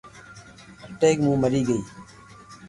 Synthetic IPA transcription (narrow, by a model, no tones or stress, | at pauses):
ʈeːkmũːməɾiːɡəiː